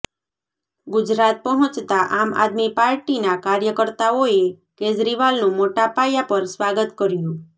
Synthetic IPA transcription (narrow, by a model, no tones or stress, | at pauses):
ɡʊd͡ʒɾat̪̚pəɦɔ̃t͡ʃt̪aʔama̰d̪mipaɾʈinakaɾjəkəɾt̪aoe | ked͡ʒɾiʋalnũmoʈapajapəɾsʋaɡət̪kəɾjũ